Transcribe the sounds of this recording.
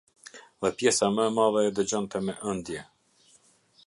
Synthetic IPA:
ðɛpjɛsaməɛmaðɛːd̪əd͡ʑɔnt̪ɛmɛʔənd̪jɛ

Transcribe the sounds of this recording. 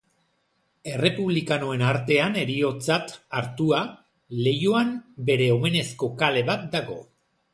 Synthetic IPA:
e̞re̞puβlikanoe̞naɾt̪e̞ane̞ɾio̞t͡sat̪aɾt̪ua | le̞joambe̞ɾe̞o̞me̞ne̞sko̞kale̞βat̪̚d̪aɣo̞

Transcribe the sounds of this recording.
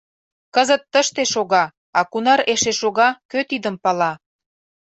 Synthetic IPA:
kəzət̪ːəʃt̪eʃoɣɑ | ɑkunɑɾeʃeʃoɣɑkøt̪id̪əmpɑlɑ

